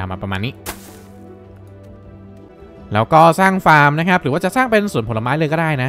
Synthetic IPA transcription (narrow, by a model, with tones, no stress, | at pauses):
aː˧˩ma̰ː˧pɾa˧maː˧nːi˦˥˩ | lɛː˦˥wkɔː˥˩saː˥˩ŋfaː˧mna˦˥kʰa˦˥p̚ɾɯː˨˩˦waː˥˩a˨˩saː˥˩ŋpe˧nsu˨˩ə˦npʰo˩˦la˧maː˦˥jlɤː˧jkɔ˥˩daː˥˩jna˦˥